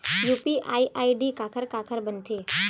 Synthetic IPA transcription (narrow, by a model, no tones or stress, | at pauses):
juːpiʔaːiʔaːiɖikaːkʰəɾkaːkʰəɾbənt̪ʰeː